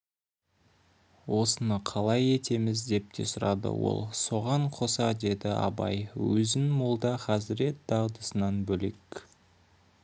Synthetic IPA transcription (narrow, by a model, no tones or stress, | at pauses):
wo̞sənəqʰɑlˠɑje̞t̪ʰe̞mɪzd̪e̞p̚t̪ʰe̞sʊɾɑd̪ə̰wo̞̰lˠso̞ʁɑɴqʰo̞sɑd̪e̞d̪ɪɑ̰bɑ̰jwɵzɪnmolˠd̪ɑχɑzɪɾe̞t̪̚d̪̥ɑwd̪əsənɑnbɵle̞k